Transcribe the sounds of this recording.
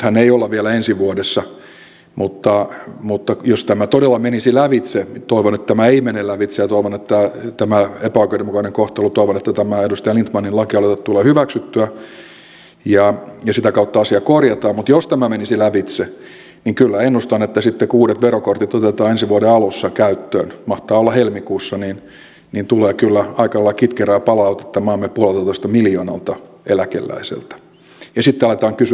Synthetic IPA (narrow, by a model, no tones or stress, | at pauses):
hæneiolːɑʋielæensiʋuodesːɑ | mut̪ːɑmut̪ːɑjost̪æmæt̪odelːɑmenisilæʋit̪set̪oiʋonet̪ːt̪æmæeimenelæʋit̪sejɑt̪oiʋonet̪ːæt̪æmæepæoikoiɾemukɑneŋkoht̪ɑlut̪oiʋonet̪ːæt̪æmæedust̪ɑjɑlint̪mɑninlɑkiɑlet̪ːɑt̪t̪uleːhyʋæksyt̪ːyæ | jɑjɑsit̪ækɑut̪ːɑɑsiɑkorjɑt̪ɑːmmut̪jost̪æmæmenisilæʋit̪se | niŋkylːæenːust̪ɑnet̪ːæsit̪ːekuːdet̪ʋerokort̪it̪ot̪et̪ɑːensiʋuodeɑlusːɑkæyt̪ːø̰ːnmɑht̪ɑːolːɑhelmikuːsːɑnin | nint̪uleːkylːæɑikɑlːɑkit̪keræːpɑlɑut̪e̥t̪ːɑmɑːmːepuɑlelt̪ɑt̪oist̪ɑmiljoːnɑ̰lt̪ɑ | ʔelækḛlːæ̰isḛlt̪æ̥ | jɑsit̪ːeɑlet̪ɑːŋkys